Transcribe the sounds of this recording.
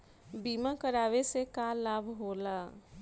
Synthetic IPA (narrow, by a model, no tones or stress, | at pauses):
bimakəɾawesekalabʱɦola